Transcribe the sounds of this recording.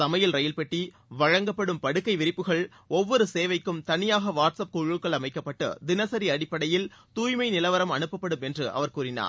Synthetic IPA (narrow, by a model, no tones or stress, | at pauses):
ɐmɐjɪlɾɐjɪlpɛʈːi | ʋɐɻɐŋɡɐpːɐɽɯmpɐɽɯkːɐɪʋɪɾɪpːɯɣɐɭ | ɔʋːɔɾɯseːʋɐɪkːɯmt̪ɐnɪjaːɣɐʋaːʈsɐp̚kuɻɯkːɐɭɐmɐɪkːɐpːɐʈːɯ̰d̪ɪnɐsɐɾiɐɽɪpːɐɽɐjɪlt̪uːjmɐɪnɪlɐʋɐɾɐmɐnɯpːɐpːɐɽɯmɛndrɯʔɐ̰ʋɐɾkuːɾɪna̰ː